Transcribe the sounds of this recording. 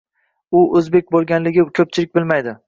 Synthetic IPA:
ʊʔɵzbe̞k̚ʲbolˠɡʲanlɪɡʲɪkʲʰɵp̚t͡ʃʰɪlɪk̚ʲbɪlmajd̪ɪ

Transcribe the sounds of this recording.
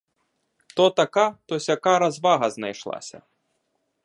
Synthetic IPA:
t̪ɔt̪akat̪ɔsʲakaɾazvaɣɐznajʂlˠa̰sʲɐ̰

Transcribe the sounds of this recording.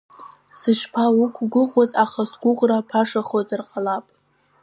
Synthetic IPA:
sɨʈ͡ʂʰpʰawʊkʷʰɡʷʊχʷozʼaχasɡʷʊʁrapʰaʂaχozɨrqʼalapʼ

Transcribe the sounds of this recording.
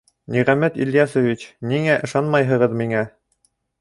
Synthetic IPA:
niʁæmæt̪ḭljɑsŏvit͡ɕniŋæʔɤ̆ʃɑnmɑjɦɤ̆ʁɤðmiŋæ

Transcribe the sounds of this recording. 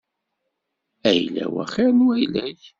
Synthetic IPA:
æjlæ̰wæ̰χɪɾnwæjlæç

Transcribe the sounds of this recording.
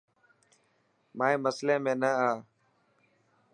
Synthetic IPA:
mãːẽːməslẽːmẽːnəaː

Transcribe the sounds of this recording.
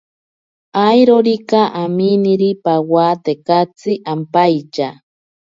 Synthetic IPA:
ajɾoɾikaʔaminiɾipawat̪ekat͡siʔampajt͡ʃa

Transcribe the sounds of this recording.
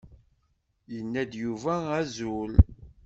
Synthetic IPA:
jənːæd̪juvææzul

